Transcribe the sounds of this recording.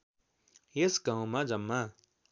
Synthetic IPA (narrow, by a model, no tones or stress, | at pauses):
esɡãw̃mãd͡zʌmːa